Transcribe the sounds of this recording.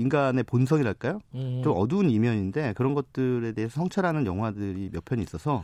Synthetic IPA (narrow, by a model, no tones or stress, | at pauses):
inɡane̞ponsʰʌŋiɾaɭk͈ajot͡ɕomʌduːnimjʌɲinde̞kɯɾʌnɡʌt̚t͈ɯɾe̞de̞ɦesʰʌsʰʌŋt͡ɕʰʌɾɦanɯnjʌŋɦwadɯɾimjʌpʰjʌɲiis͈ʌsʰʌ